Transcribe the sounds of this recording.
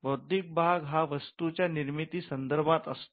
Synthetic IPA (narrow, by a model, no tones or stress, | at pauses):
bəwd̪ik̚bʱaɡɦaʋəst̪ut͡ɕjaniɾmit̪iːsənd̪əɾbʱat̪əst̪